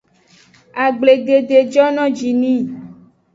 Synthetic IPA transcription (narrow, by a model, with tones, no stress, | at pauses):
a˨ɡ͡ble˨ɖe˨de˨d͡ʒɔ˦nɔ̃˦d͡ʒi˨nĩ˦˨